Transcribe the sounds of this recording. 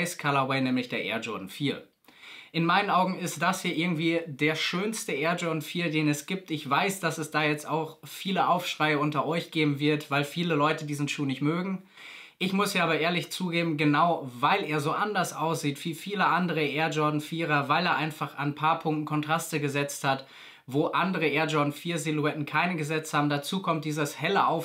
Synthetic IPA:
ɪskʰaːlɐwɛɪnɛːmlɪçd̥eːɐʔḛːɐzɔɐdn̩fiːɐ | ʔɪnmaɪnənʔaʊɡŋ̩ɪstd̥ashiːɐʔɪɐɡŋ̩tv̥iːdeːɐʃøːnstəʔeːɐzɔɐdn̩fiːɐdeːnɛsɡ̥iːp̚tɪçv̥aɪsd̥asɛsd̥aːjɛt͡staʊxfiːləʔaʊfʃʁ̥aɪəʊntɐʔɔʏçɡ̥eːbm̩vɪɐtv̥aɪlfiːləlɔʏtədiːzn̩ʃuːnɪçtmøːɡŋ̩ | ʔɪçmʊsiːaːbɐʔeːɐlɪçt͡suːɡeːbm̩ɡənaʊvaɪleːɐzoːʔandɐsʔaʊsz̥iːtv̥iːfiːləʔandəʁəʔeːɐzɔɐdn̩fiːʁɐvaɪleːɐʔaɪnfaχa̰npʰaːɐpʰʊŋk̚tn̩kʰɔntʁ̥astəɡəzɛt͡sthat | voːʔandəʁəʔeːɐzɔɐdn̩fiːɐzɪluɛtn̩kʰaɪnəɡəzɛt͡stʰhaːbm̩dat͡suːkʰɔmt̚d̥iːzəshɛləʔaʊf

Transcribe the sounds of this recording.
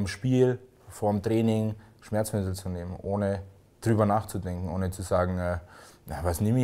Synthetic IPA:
mʃpiːl | foːɐmtʁ̥ɛːnɪŋʃmɛɐt͡smɪtl̩t͡suneːmənʔoːnə | d̥ʁyːbɐnaːχt͡sudɛŋkŋ̩ʔoːnət͡suzaːɡŋ̩ʔɛːnavasnɪmɪ

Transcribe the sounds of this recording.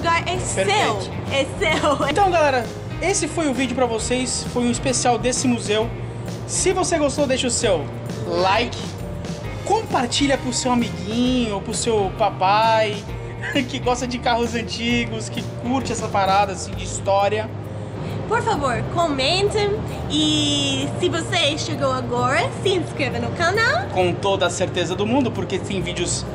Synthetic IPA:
ɡaɾɛpeɾee | ɛsew̃t̪ɐ̃w̃ɡalɛɾɐ | esɪfojʊvid͡ʒʊpɾɐvosesfojũispesiawd̪esɪmuzew | sɪvoseɡost̪owd̪ejʃɐʊsew | lajkɪ̥ | kõpaɾt͡ʃiʎɐpɾʊsewamiɡĩɲʊopɾʊsewpapaj | kɪɡɔst̪ɐd͡ʒɪkaɦʊzɐ̃nt͡ʃiɡʊskɪkuɾt͡ʃɪɛsɐpaɾad̪ɐaːsĩd͡ʒɪist̪ɔɾiɐ | poɾfavoɾkomẽnt̪ɐ̃ | ɪsɪvoseʃeɡowaɡɔɾɐsɪẽskɾevɐnʊkanawkõt̪od̪ɐseɾt̪ezɐd̪ʊmũnd̪ʊpoɾket̪ẽj̃vid͡ʒʊs

